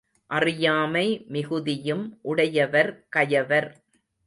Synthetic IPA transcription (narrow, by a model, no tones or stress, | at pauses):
ʔɐrɪjaːmɐɪmɪɣɯðɪjɯmʔʊɽɐjɐʋɐɾkɐjɐʋɐɾ